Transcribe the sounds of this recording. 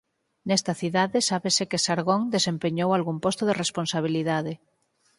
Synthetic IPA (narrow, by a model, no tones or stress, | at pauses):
nɛst̪aθiðaðesaβesekesaɾɣoŋd̪esempeɲowalɣumpost̪oðeresponsaβ̞iliðaðe